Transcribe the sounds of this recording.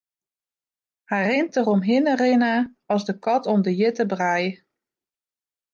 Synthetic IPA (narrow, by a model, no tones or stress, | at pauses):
hɛjrɪntərɔmɦɪnərɪnə | ɔsdəkɔtʰɔmdəjɪtəbraj